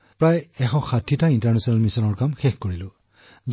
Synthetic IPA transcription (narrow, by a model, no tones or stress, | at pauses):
pɹajɛxɔxadʰʱitaintaɹnɛsɔnalmisɔnɔɹkamxɛxkoɹilʊ | z